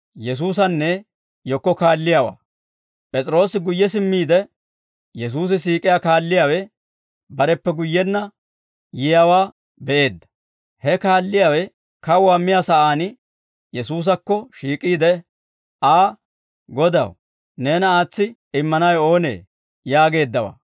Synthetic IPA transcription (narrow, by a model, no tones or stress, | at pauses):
jɛs̬uːs̬ɐnːɛ | jɔkːɔkaːlːɪjawa̰ː | pʼɛt͡sʼɾo̞ːsɪɡʊjːɛs̬ɪmːiːd̪ɛ | jɛs̬uːs̬ɪsiːkʼɪjaːkaːlːɪjaːwɛ | bɐɾɛpːɛɡʊjːɛnːɐ | jɪjawaː | bɛʔe̞ːd̪ːɐ̥ | hɛkaːlːɪjaːwɛ | kɐwaːmːɪjaːsɐʔaːn | jɛsuːs̬ɐkːɔʃiːkʼiːd̪ɛ | aː | ɡɔd̪ɐ̰w | neːnɐaːt͡sːɪ | ɪmːɐnɐjo̞ːnḛː | jaːɡe̞ːd̪ːɐwa̰ː